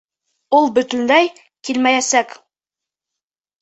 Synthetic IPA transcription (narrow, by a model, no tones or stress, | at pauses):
ulˠbɵ̆t̪ɵ̆nlæj | kilmæjæsæk